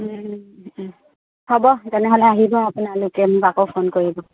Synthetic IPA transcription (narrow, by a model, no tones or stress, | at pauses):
hɔbɔtɛnɛɦɔlɛaɦibɔapunalʊkɛmʊbakɔpʰonkoɹibɔ